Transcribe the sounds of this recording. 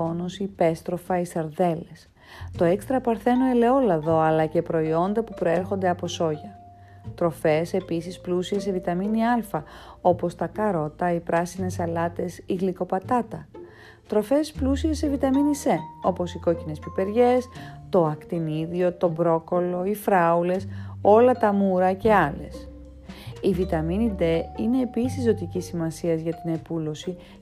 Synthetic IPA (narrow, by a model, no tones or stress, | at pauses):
onosipe̞st̪ɾo̞fɐisɐɾðe̞le̞s | t̪o̞ekst̪ɾɐpɐɾθe̞noe̞le̞o̞lɐðo̞ɐlɐce̞pɾo̞io̞nd̪ɐpupɾo̞e̞ɾxond̪e̞ɐpo̞so̞ʝɐ | t̪ɾo̞fe̞se̞pisisplusie̞sevit̪ɐminiɐlfɐo̞po̞st̪ɐkɐɾo̞t̪ɐipɾɐsine̞sɐlɐt̪e̞siɣliko̞pɐt̪ɐt̪ɐ | t̪ɾo̞fe̞splusiesevit̪ɐminise̞o̞po̞siko̞cine̞spipe̞ɾʝe̞st̪o̞ɐkt̪iniðio̞t̪o̞bɾo̞ko̞lo̞ifɾɐule̞so̞lɐt̪ɐmuɾɐce̞ɐle̞̰s | ivit̪ɐminid̪e̞ine̞ːpisizzːo̞t̪icisimɐsiɐzʝɐt̪ine̞pulo̞si